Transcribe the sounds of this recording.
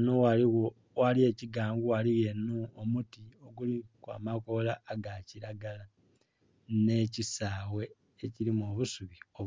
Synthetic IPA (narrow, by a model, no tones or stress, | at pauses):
noaio | walie̞ciɡaːŋɡuwaliɣe̞noomutio̞ɡulikwa̰mako̞laːɡaciɾaɡala | ne̞cisaːwe̞ː | ciɾimoβusuβio